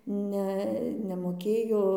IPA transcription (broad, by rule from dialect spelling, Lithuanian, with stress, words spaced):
ˈnʲɛ nʲɛmoːˈkʲeːjoː